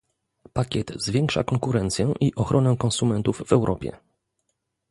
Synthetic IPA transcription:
pakʲɛt̪zvʲjɛŋkʂa̰kɔŋkuɾɛnt̪sʲjɛʔiʔɔxɾʔɔnɛkɔ̃nsumɛnt̪uvːɛwɾʔɔ̰pʲjɛ̰

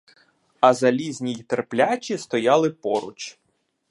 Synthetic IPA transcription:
ɐzɐlʲizʲnʲijt̪erplʲat͡ʃʲist̪ɔjɑlˠɪpɔɾʊ̰t͡ʃ

